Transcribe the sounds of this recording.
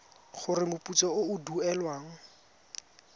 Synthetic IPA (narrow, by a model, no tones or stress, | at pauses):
χʊrɪmʊput͡sɔʊʊduɛlwaːŋ̩